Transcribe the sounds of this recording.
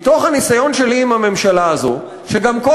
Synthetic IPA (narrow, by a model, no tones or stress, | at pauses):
t̪o̞χhanisajo̞nʃe̞liːmhame̞mʃalaːzo̰ | ʃeɡamko